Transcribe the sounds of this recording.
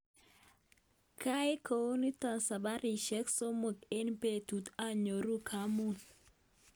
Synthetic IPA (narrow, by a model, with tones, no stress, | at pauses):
kʰa˦e˦kʰo˨o˦ni˦ta˨nsa˨ba˦ɾi˨ʃɛ˦kso˦mu˨ke˦npe˨tu˨ta˦ɲo˨ɾu˦kʰa˨˦mu˦˨n